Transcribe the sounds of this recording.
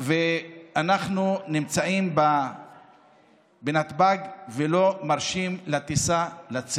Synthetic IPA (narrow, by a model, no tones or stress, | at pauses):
veanaχnunimt͡saimba | benat̪baɡvelo̞maʁʃimlat̪isalat͡s